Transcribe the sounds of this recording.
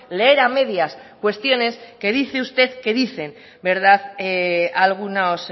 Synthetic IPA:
le̞eɾame̞ðjaskwe̞st̪jo̞ne̞ske̞ð̞iθe̞ust̪e̞ðke̞ðiθe̞n | be̞ɾð̞að | alɣ̞unaos

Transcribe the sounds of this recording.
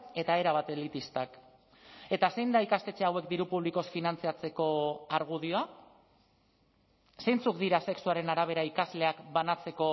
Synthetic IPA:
e̞t̪ae̞ɾaβ̞at̪e̞lit̪ist̪ak | e̞t̪ase̞jnd̪aikast̪e̞t͡seawe̞kd̪iɾupuβ̞liko̞sfinant͡siat͡se̞ko̞aɾɣ̞uðioa | se̞jnt͡suk̚d̪iɾase̞ksuaɾe̞naɾaβ̞e̞ɾaikazle̞akbanat͡se̞ko̞

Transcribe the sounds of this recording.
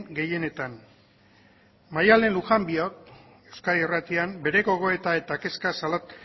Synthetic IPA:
ŋɡe̞je̞ne̞t̪an | majale̞nluxambiok̪ | e̞wskairat̪iambe̞ɾe̞ɣo̞ɣ̞o̞e̞t̪ae̞t̪ake̞skasalot̪

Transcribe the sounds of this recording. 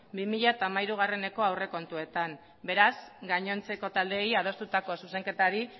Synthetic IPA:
bimiʎat̪aːmaiɾuɣ̞are̞ne̞ko̞awre̞ko̞nt̪ue̞t̪am | be̞ɾazɡaɲo̞nt͡se̞ko̞t̪ald̪e̞jað̞o̞st̪ut̪ako̞suse̞ŋke̞t̪aɾi

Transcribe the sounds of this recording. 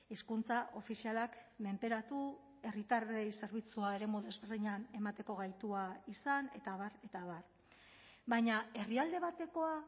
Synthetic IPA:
eskunt͡saʔo̞fisialakme̞mpe̞ɾat̪u | e̞rit̪arejse̞ɾβ̞it͡suae̞ɾe̞moðe̞zβe̞ɾðiɲane̞mat̪e̞ko̞ɣ̞ajt̪uaisane̞t̪aβaɾe̞t̪aβar | bajɲae̞riald̪e̞β̞at̪e̞ko̞a

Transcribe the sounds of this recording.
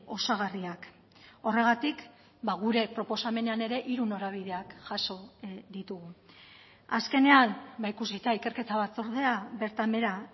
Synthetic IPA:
o̞saɣariak | o̞re̞ɣ̞at̪ik | baɣ̞uɾe̞pɾo̞po̞same̞neane̞ɾe̞ʔiɾuno̞ɾaβ̞iðe̞akʝaso̞d̪it̪uɣu | aske̞ne̞anbaikuzit̪aike̞ɾke̞t̪aβat͡so̞ɾð̞e̞aβe̞ɾt̪ame̞ɾa

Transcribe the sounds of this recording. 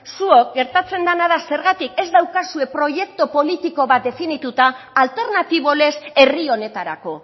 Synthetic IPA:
suo̞k̚ɡe̞ɾt̪at͡se̞nd̪anaðase̞ɾɣat̪ike̞zd̪awkasue̞pɾo̞ʝe̞k̚t̪opo̞lit̪iko̞βat̪̚d̪e̞finit̪ut̪aː | lt̪e̞ɾnat̪iβ̞o̞le̞se̞rio̞ne̞t̪aɾa̰ko̞

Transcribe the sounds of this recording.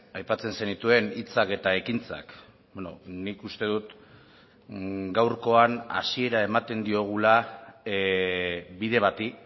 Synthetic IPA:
ajpat͡se̞nsenit̪ue̞nit͡sake̞t̪aekint͡sa̰k | beno̰nikust̪e̞ð̞ut̪ | ɡawɾko̞ana̰sie̞ɾae̞mat̪e̞nd̪io̞ɣ̞ula | βiðe̞β̞at̪i

